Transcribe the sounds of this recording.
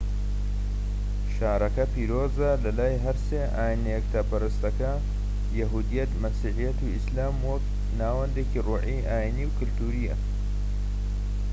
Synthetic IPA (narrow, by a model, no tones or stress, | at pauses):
ʃaːɾɐkɐpiːɾoːzɐlɐlaːjɦɐɾseːʔaːjinejɛk̚t̪ʰapɐɾɨst̪ɐkɐ | jɐɦuːd̪ijɐt̪mɐsiːʕijɐt̪uislaːmwɐk | naːwɐnd̪eːciruːʕiʔaːiniwkɨlt̪uːɾijɐ